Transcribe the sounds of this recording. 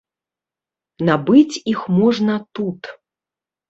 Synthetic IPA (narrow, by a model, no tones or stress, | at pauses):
nabɨt͡sʲixmɔʐnɐt̪ut̪